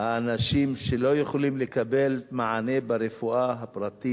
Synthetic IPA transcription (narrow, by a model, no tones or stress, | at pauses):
haːnaʃimʃelo̞jeχolimlekabe̞lmaʕane̞baɾefuaɦapɾat̪i